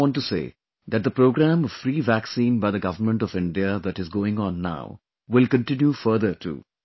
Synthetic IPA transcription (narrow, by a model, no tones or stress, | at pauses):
ɔ̃ːnʈːusḛː | d̪æʈ̚d̪əpɾoːɡɾæ̃mfɾiːʋæksĩːnbaɪd̪əɡʌʋəɾmə̃ɳʈɔʋɪ̃ɳɖiəd̪æʈɪzɡoːɪ̃ŋɔ̃nːa̰ʊ | ʋɪlkə̃nʈɪ̃njufəɾd̪əɾʈʰṵ